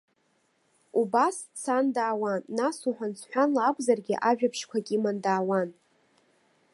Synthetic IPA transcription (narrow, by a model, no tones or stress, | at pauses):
ubast͡sʰandaːwanːasuħʷant͡sʰħʷᶣanlaakʷʼzarɡʲḭʔaʒᶣapʰʂkʷʰakʲʼimandaːwan